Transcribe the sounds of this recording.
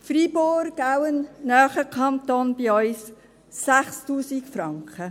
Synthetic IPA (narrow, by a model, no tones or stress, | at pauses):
friboɾawənnœːχəkʰɑnt̪onb̥iɔʏsː | æχstuːsikfɾɑŋkχə